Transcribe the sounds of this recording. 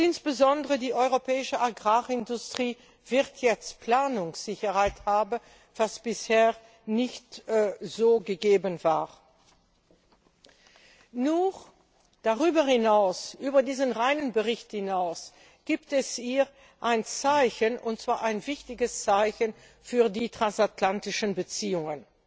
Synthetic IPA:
ʔɪnsb̥əzɔndəʁədiːʔɔʏʁopʰɛːɪʃəʔaɡʁaːɪndʊstʁ̥iː | v̥ɪʁtʰjɛt͡stpl̥aːnʊŋsz̥ɪçɐhaɪthaːbən | v̥asb̥ɪsheː | nɪçtz̥oːɡəɡeːbənva̰ːʁ | nuːʁ | d̥aʁyːbɐhɪnaʊsʔyːbɐdiːzənʁaɪnənbəʁɪçthɪnaʊs | ɡ̥iːptɛsiː | ʔaɪnt͡saɪçənʔʊnt̚t͡sv̥aːɐʔaɪnvɪçtɪɡəst͡saɪçən | fyːɐdiːtʁ̥ansatlantɪʃənbət͡siːʊŋən

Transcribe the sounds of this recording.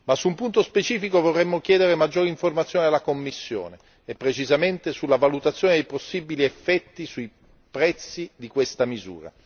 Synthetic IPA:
masːuumpunt̪ospet͡ʃiːfikovorːɛmːok̟jɛːd̪eɾemad͡ʒːoːɾiɱformat̪sːjoːnealːakomːisːjo̰ːne | epːɾet͡ʃizament̪esulːavalut̪at̪sːjoːned̪ejposːibiliefːɛt̪ːisuj | pɾɛt̪sːid̪ikwest̪amizṵːɾa̰

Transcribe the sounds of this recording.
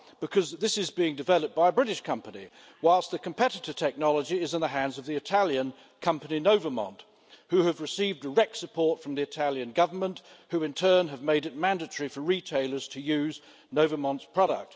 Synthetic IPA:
b̥ɨkʰʌzðɪsɨzbiɪ̃ŋdɨvɛlˠəp̚b̥aɪəbɹɪɾɨʃkʰʌ̃mpənḭ | waɪlˠst̪̚ðɨkʰɨ̃m̩pʰɛɾɨɾə˞tʰɛk̚nɑlˠəd͡ʒiɪzɨ̃nðəɦæ̃ndzʌvðiɨtʰælˠjɨ̃n | kʰʌ̃mpəninoʊvə˞mɑ̰̃nt | hʉɨvɹɨsivdə˞ɛk̚tsɨpʰɔɹtfɹʌ̃mðiɨtʰælˠjɨ̃nɡʌvə˞mə̃nʔhʉɨ̃ntʰɜ̃˞nɨvmeɪɾɨt̚mæ̃ndɨtəɹifə˞ɹitʰeɪlˠə˞z̥tʰɨjʉz | noʊvə˞mɑ̃ntspʰɹ̥ɑɾə̰k̚t

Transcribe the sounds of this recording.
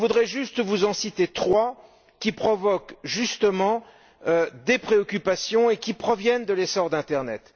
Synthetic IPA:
vud̪ʁɛʒyst̪vuzɑ̃sit̪et̪χwa | kʲipχɔvɔkʒyst̪əmɑ̃ | ød̪epχeɔkʲypasjɔ̃ekʲipχɔvjɛnd̪əlesɔʁd̪ɛ̃t̪ɛʁnɛt̪

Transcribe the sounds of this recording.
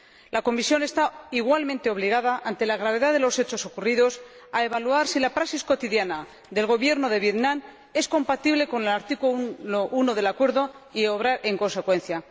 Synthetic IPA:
lako̞misjo̞ne̞st̪aiɣwalmẽnt̪e̞o̞βliɣ̞aðaʔant̪e̞laɣɾaβe̞ðaðe̞lo̞se̞t͡ʃo̞so̞kuriðo̞s | ae̞βaluaɾsilapɾasisko̞t̪iðjana | d̪e̞lɣo̞βje̞ɾno̞ðe̞β̞je̞t̪nãm | e̞sko̞mpat̪iβ̞le̞ko̞ne̞laɾt̪ikuoʔunoðe̞lakwe̞ɾðo̞io̞β̞ɾaɾʔe̞ŋko̞nse̞kwe̞n̟θja

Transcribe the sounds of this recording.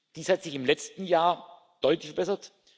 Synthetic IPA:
d̥iːshatz̥ɪçɪmlɛt͡stn̩jaːɐ | d̥ɔʏtlɪçfɛɐb̥ɛsɐt

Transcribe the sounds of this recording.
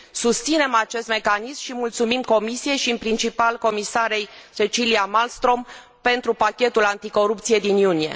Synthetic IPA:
sust̪sine̞mat͡ʃe̞st̪me̞kanismʃimult̪sumimko̞misije̞jʃimpɾint͡ʃipalko̞misaɾe̞jt͡ʃe̞t͡ʃiliamalst̪ɾo̞m | pe̞nt̪ɾupakʲe̞t̪ulant̪iko̞ɾup̚t̪sije̞d̪injunije̞̰

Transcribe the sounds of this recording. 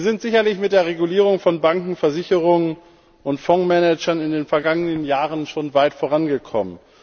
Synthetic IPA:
zɪntz̥ɪçɐlɪçmɪt̚d̥eːɐʁ̞eɡuliːʁ̞ʊŋfɔnbaŋkŋ̩fɛɐzɪçəʁʊŋən | ʔʊntfɔŋmɛnɛd͡ʒɐnɪndeːnfɛɐɡaŋənənjaːʁənʃoːnvaɪtfoːʁ̞anɡəkʰɔ̰mən

